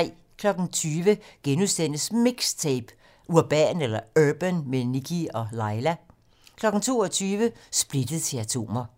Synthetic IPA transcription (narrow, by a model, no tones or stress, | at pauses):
kʰlɒ̽ɡ̥n̩t͡sʰyːʋəɡ̥enusd̥en̰əsmiɡ̥st͡sʰeb̥ | uɐb̥ɛ̰ːnelɐøb̥ənmenikʰiɒ̽lɑ̈ɪlæ | kʰlɒ̽ɡ̥n̩t͡sʰo̝̰ːɒt͡sʰyːʋəsb̥lid̥əð̩ˠt͡sʰe̝læt͡sʰo̝̰ːmɐ